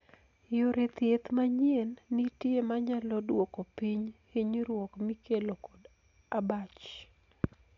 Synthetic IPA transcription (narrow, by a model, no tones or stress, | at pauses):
joɾet̪jet̪maɲienːitjemaɲalɔdwokopiɲhiɲɾwokmikelokɔd | abat͡ʃ